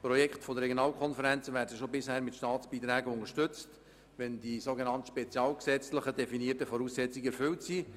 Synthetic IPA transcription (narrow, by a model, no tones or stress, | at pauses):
pɾɔjɛkχtfɔd̪əɾrːɛɡjonɑːlkʰɔnfəɾænt͡səʋæːɾdəʃobɪshæːɾmɪtʃtɑːtt͡sb̥iːt̪ɾæːɡəʊŋəʃtʏt͡st | ʋɛndisoɡenɑnt̪əʃpɛt͡sjɑːlksɛt͡sləχədɛfiniətəfɔɾuːsːɛt͡siɡɛɾfʏltsiː